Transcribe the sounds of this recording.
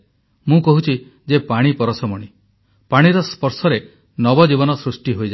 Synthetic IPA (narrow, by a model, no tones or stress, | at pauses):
mũkɔɦut͡ʃʰi | d͡ʒepaɽ̃ipɔɾɔsɔmɔɽ̃i | paɽ̃iɾɔspɔɾsɔɾe | nɔbɔd͡ʒibɔnɔsɾusʈiɦojd͡ʒa